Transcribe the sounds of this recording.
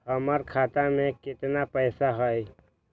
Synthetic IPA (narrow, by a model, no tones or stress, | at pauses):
həməɾkʰaːt̪amẽkɪt̪napɛːsaɦɔj